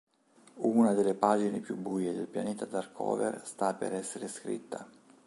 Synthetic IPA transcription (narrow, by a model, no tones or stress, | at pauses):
uːnad̪elepaːd͡ʒinepjubujed̪elpja̰neːt̪ad̪arkʰɔ̰ːvḛrst̪apḛɾɛsːeɾeskɾḭt̪ːa